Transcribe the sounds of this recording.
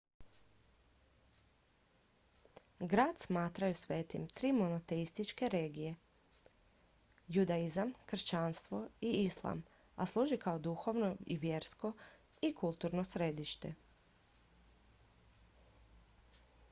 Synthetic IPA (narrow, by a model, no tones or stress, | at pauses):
ɡɾaːd̪̥smaːt̪ɾajusʋe̞ːt̪imt̪ɾiːmonot̪e̞ist̪it͡ʃke̞ɾe̞ːɡije̞ | jud̪aizamkr̩ʃt͡ɕanst̪ʋo̞iislˠa̰m | a̰slˠuːʒikaod̪uxo̞ʋnoiʋje̞ːɾsko̞ | ikulˠt̪uːɾnosɾed̪iʃt̪e